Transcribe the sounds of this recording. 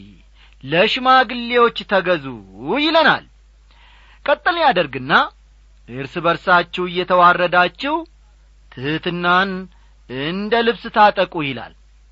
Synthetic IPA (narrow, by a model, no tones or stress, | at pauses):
ləʃmaɡɨlːewo̞t͡ʃːt̪ʰəɡəzṵjɪləna̰l | kʼət̪ʼːɨlɲjad̪əɾɡɨnːa | ʔɨɾsɨbəɾsat͡ʃːɛwɨjːɛt̪ʰəwarːəd̪at͡ʃːɛw | t̪ʰɨhɨt̪ɨnːan | ɨnd̪əlɨβsɨt̪ʰat̪ʼəkʼujɪla̰l